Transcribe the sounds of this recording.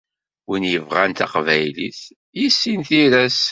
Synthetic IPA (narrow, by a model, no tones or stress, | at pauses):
winjəvʁænt̪ɑ̰qvæjliθ | jisːinθiɾæs